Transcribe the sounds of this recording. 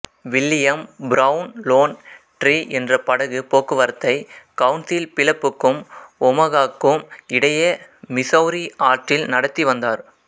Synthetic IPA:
ʋɪlːɪjɐmbɾɐʊnloːn | ʈriːʔɛndrɐpɐɽɐɣɯpoːkːɯʋɐɾɐt̪ːɐɪkɐʊnsɪlpɪlɐpːɯkːɯmɔmɐɣaːkːɯmɪɽɐjɐmɪsɐʊɾiaːʈrɪlnɐɽɐt̪ːiʋɐnd̪aːɾ

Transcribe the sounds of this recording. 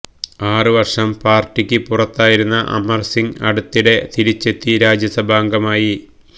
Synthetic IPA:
aːrɨʋɐrʂɐmpaːrtːikʲːɨpurɐt̪ːaːjiɾunːɐʔɐ̰mɐrsiŋɐɽut̪ːiɽe̞t̪iɾit͡ɕːe̞t̪ːiɾaːd͡ʑjɐsɐbʱaːŋɡɐmaːji

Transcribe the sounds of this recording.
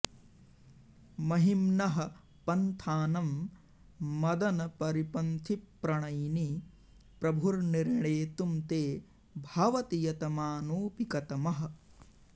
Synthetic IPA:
mɐɦimnɐɦɐ̆ | pɐnt̪ʰaːnɐmː | ɐd̪ɐnɐpɐɾipɐnt̪ʰipːɾɐɳɐjni | pɾɐbʱuɾniɾɳeːt̪umt̪eː | bʱaːʋɐt̪ijɐt̪ɐmaːnoːpikɐt̪ɐmɐɦɐ̆

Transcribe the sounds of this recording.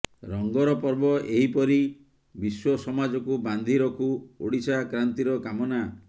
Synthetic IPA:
ɾɔŋɡɔɾɔpɔɾbɔʔeɦipɔɾi | biswɔsɔmad͡ʒɔkuband̪ʱiɾɔkʰuoɽisakɾant̪iɾɔkamɔna

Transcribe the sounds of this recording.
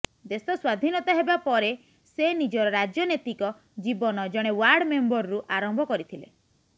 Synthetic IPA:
d̪esɔswad̪ʱinɔt̪aɦebapɔɾe | senid͡ʒɔɾɔɾad͡ʒjɔnet̪ikɔ | d͡ʒibɔnɔd͡ʒɔɽ̃ewaɾɽmembɔɾɔɾuʔaɾɔmbʱɔkɔɾit̪ʰile

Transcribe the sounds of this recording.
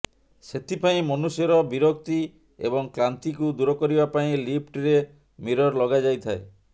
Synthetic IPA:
set̪ʰipaĩmɔnusjɔɾɔbiɾɔkt̪i | ḛbɔŋklant̪ikud̪uɾɔkɔɾibapaĩlip̚ʰʈɾe | miɾɔɾlɔɡad͡ʒajt̪ʰae

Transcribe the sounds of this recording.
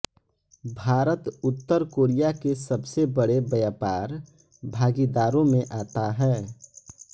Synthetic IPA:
bʱaːɾət̪ʊt̪ːəɾkoːɾijakesəbsebəɽebəjaːpaːɾ | bʱaːɡid̪aːɾõmẽʔaːt̪aɦɛː

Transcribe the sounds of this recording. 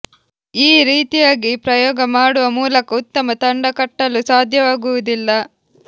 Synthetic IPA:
iːɾiːt̪ijaːɡipɾɐjɔːɡɐmaːɽuʋɐmuːlɐkɐut̪ːɐmɐt̪ɐɳɖɐkɐʈːɐlusaːd̪ʱjɐʋaːɡuʋud̪ilːɐ

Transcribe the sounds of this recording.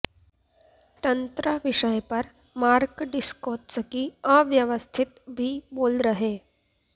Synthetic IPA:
t̪ənt̪ɾəʋiʃəjpəɾ | maɾkɖɪskoːʈsəkiəʋjəʋəst̪ʰit̪bʱiːboːlɾəɦe

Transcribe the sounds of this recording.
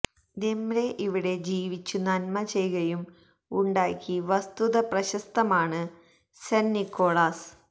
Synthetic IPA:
d̪emɾe̞ʔiʋiɽe̞d͡ʑiːʋit͡ɕːunɐnmɐt͡ɕe̞jɣɐjum | uɳɖaːkːiʋɐst̪uðɐprɐɕɐst̪ɐmaːɳɨ | senːikːo̞ːɭaːs

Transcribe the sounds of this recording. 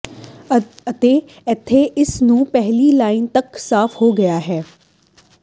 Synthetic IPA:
ɐt̪eː | ɛt̪ʰːeʔɪsnũːpɛɦlilaːɪnt̪ɐksaːfʰhoːɡɐjaɦɛː

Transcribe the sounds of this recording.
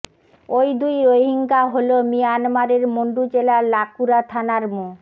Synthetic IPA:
ojd̪ujojɦiŋkaɦolomijanmaɾeɾmoɳɖud͡ʑelalakuɾat̪ʰanaɾmu

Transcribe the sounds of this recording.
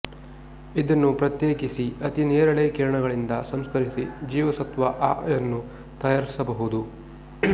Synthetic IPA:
id̪ɐnːupɾɐt̪jeːkisiɐt̪ineːɾɐɭeːkiːɾɐɳɐɡɐɭind̪ɐsɐmskɐɾisid͡ʒiːʋɐsɐt̪ʋɐʔaːjɐnːu | t̪ɐjaːɾisɐbɐɦud̪u

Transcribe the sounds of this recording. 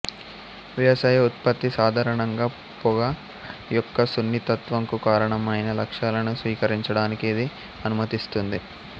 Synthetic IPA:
ʋjɐɐsaːjɐut̪pɐt̪ːisaːd̪ʱaːɾɐɳɐŋɡaː | pɔɡɐ | jɔkːɐsunːit̪ɐt̪ʋɐŋkukaːɾɐɳɐmɐjnɐlɐkʂaːlɐnusʋiːkɐɾiɲt͡ʃɐɽaːnikiːd̪i | ɐnumɐt̪ist̪und̪i

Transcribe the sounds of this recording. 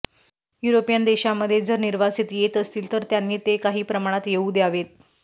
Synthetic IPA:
juɾopijand̪eɕaməd̪ʱːjed͡zəɾniɾʋasit̪jet̪əst̪iːlt̪əɾt̪janːiːt̪ekaɦiːpɾəmaɽ̃at̪jeuːd̪jaʋet̪̚

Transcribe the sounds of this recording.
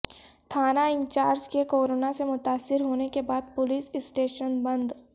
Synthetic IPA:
t̪ʰaːnaɪ̃nt͡ʃaːɾd͡ʒkekoːɾoːnasemʊt̪aːsːɪɾɦoːnekebaːd̪̚pʊliːsɪsʈeːʃənbɐ̃nd̪

